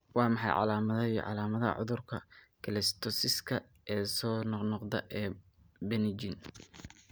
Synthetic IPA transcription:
wɑːmɑħɑjʕɑ̰laːmɐðɐiʕɑ̰laːmɐðɐɐ̰ʕʊ̰ðʊrkʰɐ | kʰɪlɛst̪ʰɔsɪskʰɐ | ʔɛːsɔːnɔqnɔqd̪ɐ̰ʔɛː | bɛnɪd͡ʒɪn

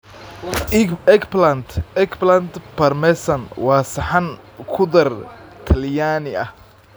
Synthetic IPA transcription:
ɛkplɐnt̪ɛkplant̪pʰɐrmɛsɐnwɑːsɐħan | kʰʊðɐrt̪ʰɐljaːnɪʔɐ̰h

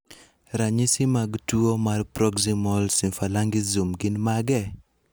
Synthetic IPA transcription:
ɾaɲisɪmaɡtuomarpɾɔɡsimɔlsifalaŋɡɪzumɡɪnmaɡɛ

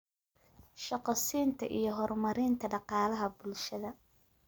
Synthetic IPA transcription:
ʃɑqɔsiːnt̪ʰɐ̰ʔḭjɞɦɔrmɐɾɪnt̪ʰɐɖɑqɑːlɐɦɐbʊlʃɐðɐ

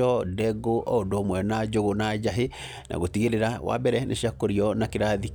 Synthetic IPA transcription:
ɔdɛɡoʔɔodoːmwɛnad͡ʒoɣonad͡ʒaɦe | nʔa̰ɣotiɣeɾeɾawa̰bɛɾɛnʔḛʃiakoɾiɔnakeɾaði

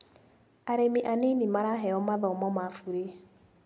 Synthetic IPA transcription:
aɾemiʔanenimaɾaɦɛɔmaðɔmɔmafuɾe

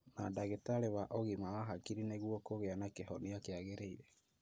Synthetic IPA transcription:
nadaɣetaɾewaʔɔɣimawaɦakiɾineɣwɔkoɣeanakehɔniakeaɣeɾeiɾɛ

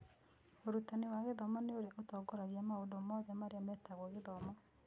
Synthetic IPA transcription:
oɾutanewaɣeðɔmɔneoɾeʔotɔɡɔɾaɣiamaodomɔðamaɾeamɛtaɣwoɣeðɔmɔ

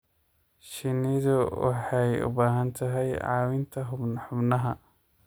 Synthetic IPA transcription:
ʃɪnɪðʊwɑ̰ħɑjʊ̰baːɦɐnt̪ʰɐɦɛjʕɑ̰ːwɪnt̪ʰɐɦʊbnħʊbnɐɦɐ

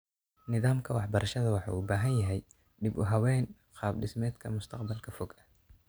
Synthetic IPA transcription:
nɪðaːmkʰɐwɑħbɐɾɐʃɐðɐwɑħɑ̰ːʊbaːɦɐnjɐɦɛj | ɖɪbʊɦɐwɛːn | qɑːb̚ɖɪsmɛːd̪kʰɐmʊst̪ʰɐqbɐlkʰɐfɔɡɐ̥

